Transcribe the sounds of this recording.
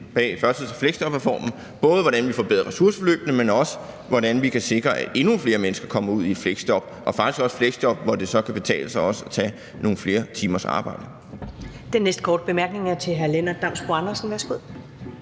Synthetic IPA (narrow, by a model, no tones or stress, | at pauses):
b̥ɛ̰ːfɶɐ̥sið̩̰ˠsʰɒfleɡ̥sd̥ɒ̽b̥ʁɛfɒ̰ːmn̩ | b̥ɔ̽ːð̞ˠʋɒɾænʋifɒ̰b̥eðˠɐʁɛsuɐsə̥fɒlø̰ːb̥nəmenɒ̽sə̥ | ʋɒɾænʋikʰæse̝ɡ̥ʁɐʔæ̥ʔe̝nufle̝ːɐmenəsɡ̥ɐkʰɒ̽m̰ɐuð̰ˠi̥fleɡ̥sd̥ɒb̥ʔɒ̽fɑ̈ɡ̥isɡ̥ɒ̽sfleɡ̥sd̥ɒ̽b̥ʋɒd̥e̝sɒ̽kʰæb̥e̝t͡sʰɛ̰ːləsɑɪɒ̽səɒt͡sʰɛ̰ː | no̝ːn̩fle̝ːɐt͡sʰiːmɐsɑ̰̈ːb̥ɑ̈ɪ̰d̥ə | d̥enːesd̥̚kʰɒ̰ːd̥əb̥emæɐɡ̥ne̝ŋæɐt͡sʰe̝ɦæɐlenɐd̥ɑ̈m̰sb̥oɑnɐsn̩ʋæɐsɡ̥uð̰ˠ